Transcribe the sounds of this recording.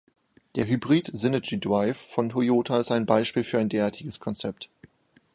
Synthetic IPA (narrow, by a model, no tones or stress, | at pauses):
d̥eːɐɦybʁiːtz̥ɪnɐd͡ʒidʁaɪfːɔntojoːtʰaɪstaɪnbaɪʃpiːlfyːɐaɪndeːɐaːɐtɪɡəskʰɔnt͡sɛp̚t